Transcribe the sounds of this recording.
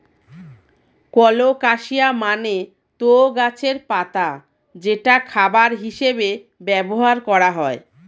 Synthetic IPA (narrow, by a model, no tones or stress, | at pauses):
kɔlokaʃiamane | t̪ooɡat͡ɕʰeɾpat̪a | d͡ʑeʈakʰabaɾɦiʃebe | bɛboɦaɾkɔɾaɦɔe